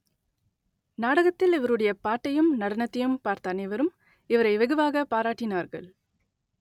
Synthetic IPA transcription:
naːɽɐɣɐt̪ːɪlɪʋɐɾɯɽɐjɐpaːʈːɐjɯmnɐɽɐnɐt̪ːɐjɯmpaːɾt̪ɐnɐʋɐɾɯm | ɪʋɐɾɐɪʋɐɣɐʋaːɣɐpaːɾaːʈːɪnaːɾɣɐ̰ɭ

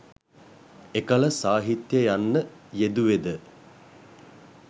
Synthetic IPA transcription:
ekələsaːɦit̪jəjanːəjed̪uʋed̪ə

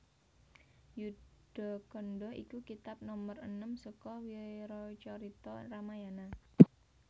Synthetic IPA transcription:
jud̥ɔ̤kɔnɖɔʔḭkukit̪ap̚nɔmərənəmsəkɔwiɾɔt͡ʃɔɾit̪ɔramajana

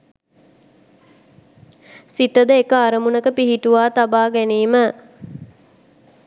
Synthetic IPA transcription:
sit̪əd̪əekəaɾəmunəkəpiɦiʈuʋaːt̪abaːɡæniːmə

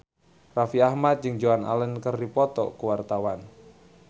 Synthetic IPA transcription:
rafiahmat̪̚d͡ʒɨŋd͡ʒoana̰lənkərdipɔt̪ɔ̰kuwart̪awan

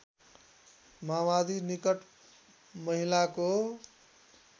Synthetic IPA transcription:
mamad̪inikʌʈ | mʌɦilako

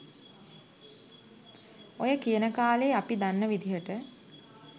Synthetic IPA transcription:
ojəkijənəkaːleːapid̪anːəʋid̪iɦəʈə

